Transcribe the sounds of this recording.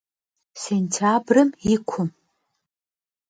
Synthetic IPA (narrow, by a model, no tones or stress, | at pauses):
sentʰabrɨmikʷʰʊm